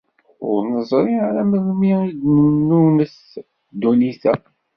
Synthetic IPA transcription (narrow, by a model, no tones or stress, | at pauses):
ʊ̰ɾnəzˤɾˤiʕaɾæməðmiid̪nənːunəs | d̪uniθæ